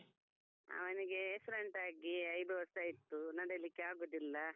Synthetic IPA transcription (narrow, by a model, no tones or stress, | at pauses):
ɐ̰ʋɐniɡe̞esɖeɳʈaːɡiɐjd̪uʋɐsajit̪ːunɐɽɐlikːeaːɡoːd̪ilːɐ